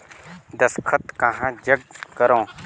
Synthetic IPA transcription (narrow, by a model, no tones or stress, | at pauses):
d̪ɐskʰɐt̪kãɦãːd͡ʒɐɡ̚kɐɾõː